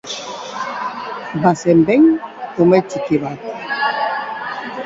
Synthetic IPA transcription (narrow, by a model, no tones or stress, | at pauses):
basɛmbɛŋomɛt͡ʃikibat